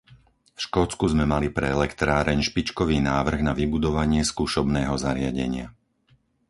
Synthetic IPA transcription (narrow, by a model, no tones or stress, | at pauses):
fʃkɔːt͡skuzmɛmalipɾɛɛlɛkt̪ɾaːɾɛɲʃpit͡ʃkɔʋiːnaːʋr̩ɣnaʋibud̪ɔʋaɲɪɛskuːʃɔbnɛːɦɔzaɾɪaɟɛ̰ɲɪa̰